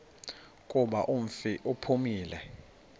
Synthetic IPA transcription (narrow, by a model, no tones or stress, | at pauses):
kʼuɓaʔuɱ̩fiʔupʰumiːlɛ